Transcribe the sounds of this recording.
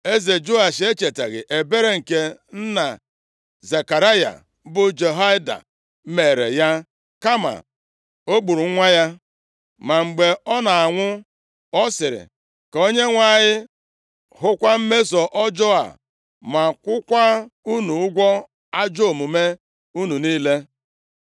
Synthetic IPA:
e˦ze˨d͡ʒo˦a˨ʃe˦t͡ʃe˨tḛ˨ɣɪ̰˨ʔe˨be˦ɾe˦ŋ̩˨ke˦n̩˦na˨ | ze˨ka˨ɾa˦ja̰˨˦ | bʊ˦d͡ʒe˨ɦa˦ɪ˦da̰˨˦ | me˨ɾḛ˨ja˦ | ka˦ma̰˨ | o˦ɡ͡bu˨ɾu˨˦ŋʷa˦ja˦ | ma˨ŋ͡m̩˨ɡ͡be˨ɔ˦na˨a˨ŋʷʊ˦ | ɔ˦sɪ˨ɾɪ̰˨ | ko˦ɲe˦ŋʷa˦˨ɲɪ˦ | ɦʊ˦kʷa˦m̩˦me˦zɔ˨ʔɔ˦d͡ʒɔ˦a̰˨ | ma˨kʷʊ˦kʷa˦u˦nu˨ʊ˦ɡʷɔ˦ | a˦d͡ʒo˦˨mu˨me˦ | u˦nu˨niː˦le˦

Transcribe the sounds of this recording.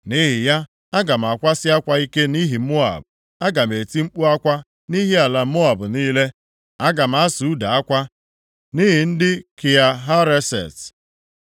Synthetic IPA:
ni˦ɦɪ˨ja˦ | a˦ɡa˨m̩˨a˨kʷa˦sɪ˦a˦kʷa˦i˦ke˦ni˦ɦi˨˦mo˦a̰˨b | a˦ɡa˨m̩˨e˨ti˦ŋ͡m̩˦k͡pu˦a˦kʷa˦ | ni˦ɦi˦a˨la˨˦mo˦a˨bʊ˨niː˦le˦ | a˦ɡa˨m̩˨˦a˦su˨u˦da˨a˦kʷa˦ | ni˦ɦɪ˨n̩˦dɪ˦ki˨a˨ɦa˦ɾe˦sḛ˨t

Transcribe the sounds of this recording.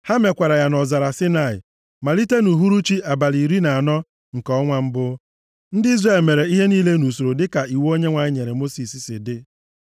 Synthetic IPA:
ha˦me˨kʷa˨ɾa˨ja˨nɔ˨za˨ɾa˨sɪ˦na˨ɪ̰˨ | ma˨li˦te˦nu˨ɦu˦ɾu˦t͡ʃi˦ʔa˨ba˨li˨ɾi˦na˨a˨nɔ˦ | ŋ̩˨kɔ˦ŋʷa˦m̩˦bʊ˦ | n̩˦dɪ˦i˦zre˦˨lme˨ɾe˨i˦ɦe˦niː˦le˦nu˨so˨ɾo˨dɪ˦ka˨i˨wo˦ɲe˦ŋʷa˨ɲɪ˦ɲe˨ɾe˨mo˦si˨si˨sɪ˨dɪ˦

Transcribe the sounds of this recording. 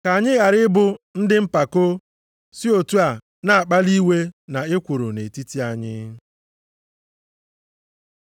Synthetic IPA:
ka˨ɲɪ˦ɣa˨ɾɪ˦bʊ˦n̩˦dɪ˦m̩˦pa˨ko˦ | si˦o˨tu˦a˨ | na˨a˨k͡pa˦li˦we˦na˨ɪ˦kʷʊ˨ɾo˨ne˨ti˦ti˦a˨ɲɪ̰˦

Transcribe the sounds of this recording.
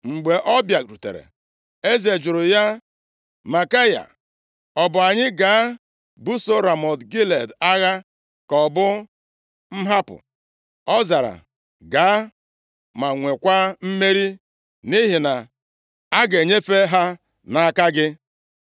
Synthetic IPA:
ŋ͡m̩˨ɡ͡be˨ʔɔ˦bja˨ɾu˨tḛ˨ɾḛ˨ | e˦ze˨d͡ʒʊ˨ɾʊ˨ja˦ | ma˨ka˦ja̰˨ | ɔ˨bʊ˨a˨ɲɪ˦ɡa˨˦ | bu˦so˦ɾa˨mɔ˨dɡi˦le˨da˦ɣa˦ | kɔ˨bʊ˦ | m̩˦ɦa˦pʊ̰˨ | ɔ˦za˨ɾa̰˨ | ɡaː˨˦ | ma˨ŋʷe˨kʷa˦m̩˦me˦ɾi˦ | ni˦ɦi˨na˨ | a˦ɡe˨ɲe˦fe˦ɦa˦ | na˨a˦ka˦ɡɪ˦

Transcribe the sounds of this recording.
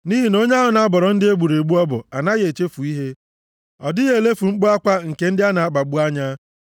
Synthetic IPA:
ni˦ɦi˨no˦ɲ˦a˦ɦʊ˨na˨a˦bʊ˨ɾɔ˨n̩˦dɪ˦e˦ɡ͡bu˨ɾe˨ɡ͡bu˦ɔ˦bʊ̰˨a˨na˦ɣe˨t͡ʃe˦fu˨i˦ɦe˦ | ɔ̰˨dɪ˦ɣe˨le˦fu˨ŋ͡m̩˦k͡pʊ˦a˦kʷa˦ŋ̩˨ke˦n̩˦dɪ˦a˦na˨a˨ɡ͡ba˨ɡ͡bu˦a˦ɲa˦

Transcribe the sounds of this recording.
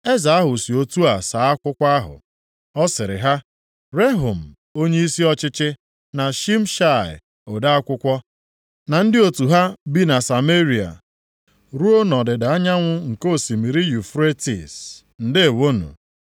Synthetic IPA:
e˦za˨a˦ɦʊ˨si˨o˦tu˦a˨sa˨˦a˦kʷʊ˦kʷa˦ɦʊ̰˨ | ɔ˦sɪ˨ɾɪ̰˨ɦa˦ | ɾe˦ɦu˨m̩˨ | o˦ɲe˦i˦si˦ɔ˦t͡ʃɪ˦t͡ʃɪ˦ | na˨ʃi˦m̩˦ʃa˦˨ɪ̰˨ | o˨da˦a˦kʷʊ˦kʷɔ˦ | na˨n̩˦dɪ˦o˨tu˨ɦa˦bi˦na˨sa˨me˦ɾi˨a̰˨ | ɾu˦o˦nɔ˨dɪ˨da˨a˦ɲa˦ŋʷʊ˦ŋ̩˨ko˦˨si˨mi˨ɾi˦ju˨fɾe˦tḭ˨s | n̩˨dɪ˦e˨wo˦nṵ˨

